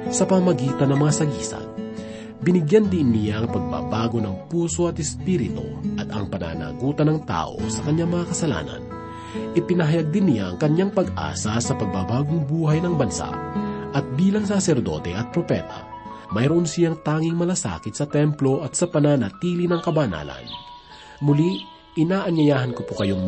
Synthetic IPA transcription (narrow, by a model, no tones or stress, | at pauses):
sɐpɐmɐɡiːt̪ɐnːɐŋmɐŋasɐɡiːsɐ̰ | bɪnɪɡjand̪inːɪjaɐŋpɐɡ̚ba̰ːbaːɡo̞nɐŋpuːso̞ɐt̪ɛspiɾɪt̪o̰ʔɐt̪ɐŋpɐna̰na̰ɡuːt̪ɐnɐŋt̪a̰ːʔo̞̰sɐkɐɲjaŋmɐŋakɐsɐla̰ːnɐ̰n | ʔɪpɪnɐɦɐjaɡ̚d̪ɪnːɪjaɐŋkɐɲjaŋpɐɡʔa̰ːsasɐpɐɡ̚babaːɡoŋbuːhajnɐŋbɐnsa̰ʔʔɐt̪̚biːlɐŋs̬asɛɾd̪o̞̰t̪ɛ̰ʔɐt̪̚pɾopɛ̰t̪a̰ | mɐjɾoʔonsɪjaŋt̪aːŋɪŋmɐlasa̰ːkɪt̪sɐt̪ɛmplo̞ʔɐt̪̚sɐpɐnaːnat̪iːlinɐŋkɐbana̰ːlɐ̰n | mʊli | ʔɪnaːʔɐɲɐjaːɦɐnkopokɐjoŋ